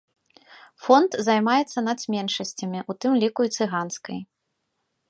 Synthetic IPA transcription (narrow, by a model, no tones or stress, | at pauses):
fɔnt̪zajmajɛt̪sːɐnɐsʲmʲɛnʂɐsʲt͡sʲɐmʲiʔut̪ɨmlʲikuit̪sɨɣanskɐj